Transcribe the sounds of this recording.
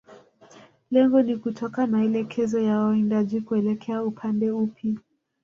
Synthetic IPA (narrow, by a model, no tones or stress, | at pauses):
lɛŋɡɔnikutʰɔkamaɛlɛkʰɛzɔjawaindaʄikuɛlɛkʰɛaupʰandɛupʰja